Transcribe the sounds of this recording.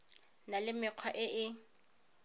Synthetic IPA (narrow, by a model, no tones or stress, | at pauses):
nalɪmɪq͡χʰwaʔɪʔɪ